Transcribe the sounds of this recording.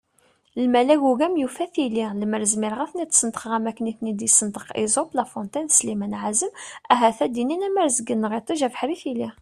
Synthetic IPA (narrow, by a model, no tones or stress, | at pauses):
lmælæɡuɡæmjufæθililəməɾzmiɾʁæθnit̪ːsənd̪ə̥qʁæmækniθnid̪isənd̪əqizˤoblæfɔnt̪ˤɑnslimænʕazəmæɦæθæd̪ininæmæɾzəɡənːʁit̪ˤiʒæfħɾiθili